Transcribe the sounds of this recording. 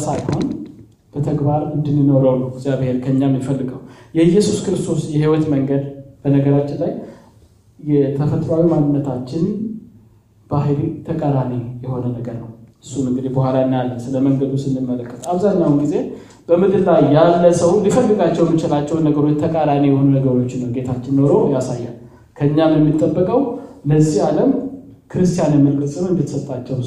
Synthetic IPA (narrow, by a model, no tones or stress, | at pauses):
sajho̞n | b̥ət̪ʰəɡbaɾɨnd̪ɨnːɨno̞ɾəwlːuɡzjaβhe̞ɾkʰəɨɲːamjɪfəlːɨɡəwjɛɨjːɛsuskɾɨst̪ʰo̞sjɛɦiwɔt̪məŋɡəd̪b̥ənəɡəɾat͡ʃːɪnlaj | jɛt̪ʰəfət̪ɾawimanːɨnːət̪ʰat͡ʃːɪn | b̥aɦɨlit̪ʰəkʼad̪anejɛho̞nənəɡəɾnəwɨsːumɨŋɡɨd̪ibohʷalaɨnjalːənsɨləməŋɡəd̪usɨnːɨmːələkːət̪ʰaβzaɲːawnɡize̞ | b̥əmɨd̪ɨlːajjalːəsəwlifəlːɨɡat͡ʃːɛwjɛmːit͡ʃɪlat͡ʃːɛwnːəɡəɾo̞t͡ʃːt̪ʰəkʼad̪anejɛho̞nunəɡəɾot͡ʃːnːəwɡe̞t̪ʰat͡ʃːɪnːo̞ɾo̞jasajːa | kʰəɨɲːamjɛmːit̪ʼːəbːəkʼəwləzihaləm | kʰɨɾɨst̪ʰijanjɛmːəlkɨsʼɨmɨnd̪it̪sət̪ʼːat͡ʃːɛw